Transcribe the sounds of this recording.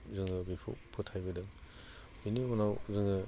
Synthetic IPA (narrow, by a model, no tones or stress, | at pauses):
zɯŋɯbipʰṵpʰutʰajbɯdɯŋ | biniɔnawzɯŋɯ